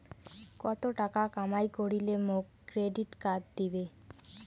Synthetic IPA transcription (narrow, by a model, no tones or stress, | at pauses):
kɔt̪oʈakakamajkoɽilemokːɾeɖiʈkat̪d̪ibe